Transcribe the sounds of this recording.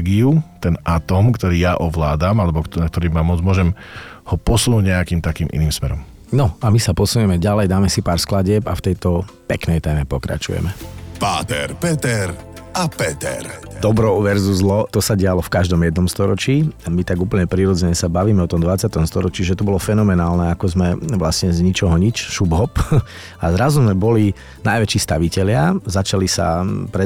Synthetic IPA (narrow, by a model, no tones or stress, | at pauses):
ɡiut̪ɛnʔat̪ɔmkt̪ɔɾiːjaʔɔʋlaːd̪amalɛbɔknak̚t̪ɔɾiːmamɔd͡zmʊɔʒɛm | hɔpɔsunuɟɲɛakiːmt̪akiːmʔḭniːmsmɛɾɔm | nɔamisapɔsuɲɛmɛɟalɛjd̪aːmɛsipaːɾsklaɟɪɛpaft̪ɛjt̪ɔpɛknɛjt̪ɛmɛpɔkɾa̰t͡ʃṵjɛ̰mɛpa̰ːt̪ɛ̰ɾpɛt̪ɛɾ | apɛt̪ɛ̰ɾ | d̪ɔbɾɔʊʋɛɾzuzlɔt̪ɔsaɟɛalɔfkaʒd̪ɔmjɛd̪nɔmst̪ɔɾɔt͡ʃiːamit̪aɡuːpl̩ɲɛpɾiɾɔd͡zɛɲɛsabaʋiːmɛɔt̪ɔmd̪ʋat͡sɪat̪ɔmst̪ɔɾɔt͡ʃiːʒɛt̪ɔbɔlɔfɛnɔmɛnaːlnɛakɔzmɛʋlasɲɛzɲit͡ʃɔɦɔɲit͡ʃʃubɦɔp | azɾazuzmɛbɔli | najʋɛt͡ʃiːst̪aʋicɛʎɪazat͡ʃalisa̰pɾɛ